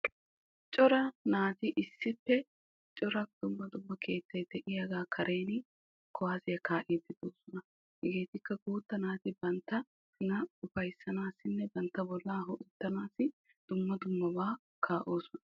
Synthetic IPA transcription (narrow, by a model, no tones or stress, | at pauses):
t͡ʃʼɔɾɐnaːzɪʔɪsːɪpːɛ | t͡ʃʼɔɾɐd̪ʊmːɐd̪ʊmːɐkʰe̞ːt̪ːɐjd̪ɛʔɪjɐɡaːkʰɐɾe̞ːn | kʰɔaːsɪjɐkʰaːʔid̪ːɪd̪oːsɔnɐ | hɛɡeːt̪ɪkːɐɡuːt̪ːɐnaːzɪbɐnt̪ːɐ | hʊnɐʊfɐjsːɐnaːsːɪnːɛbɐnt̪ːɐbɔlːaːɦɔʔɪt̪ːɐnaːsɪ | d̪̥ʊmːɐd̪ʊmːɐbaː | kʰaːʔoːsɔnɐ